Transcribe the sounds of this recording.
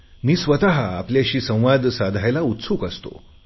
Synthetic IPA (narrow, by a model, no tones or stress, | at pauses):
miːsʋət̪aɦaːpljaɕiːsə̃w̃ʋad̪sad̪ʱajlaut̪suːkəst̪o̰